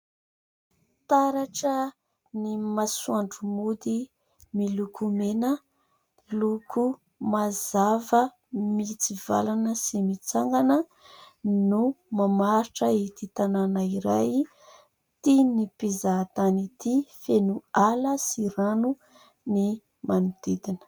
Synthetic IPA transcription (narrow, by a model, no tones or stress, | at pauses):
t̪aɾaʈ͡ʂə | nimasuaɳɖ͡ʐumud̪i | milukʰumenə | lukʰu | mazavə | mit͡siva̰lanəsimit͡saŋɡanə | numamaɾiʈ͡ʂəit̪it̪ananaiɾaj | t̪inipizat̪anit̪ifenualəsiɾanu | ni | manud̪̥id̪inə̥